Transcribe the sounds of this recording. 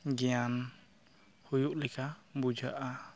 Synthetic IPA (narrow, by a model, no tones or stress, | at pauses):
ɡɛjan | hujuʔlɛkʰabud͡ʒʱaʔa